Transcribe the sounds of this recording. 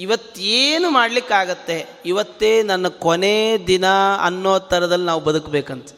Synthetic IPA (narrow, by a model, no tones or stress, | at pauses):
iʋɐt̪ːeːnumaːɽlikːaːɡɐt̪ːe̞ | iʋɐt̪ːeːnɐnːɐkɔned̪inɐɐ̰nːoːt̪ɐɾɐd̪ɐlːinaːʋubɐd̪ukbeːkɐnt̪ɐ̥